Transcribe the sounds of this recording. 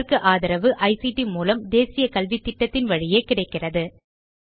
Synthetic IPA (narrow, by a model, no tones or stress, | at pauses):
kɯʔaːðɪɾɐʋɯʔɐɪsiʈimuːlɐmd̪eːsɪjɐkɐlʋitʈ̪ːɪʈːɐt̪ːɪnʋɐɻɪjeːkɪɽɐɪkːɪrɐðɯ